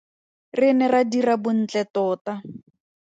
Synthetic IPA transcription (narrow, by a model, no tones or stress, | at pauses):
rɪnɛradirabʊn̩t͡ɬɛtɔːta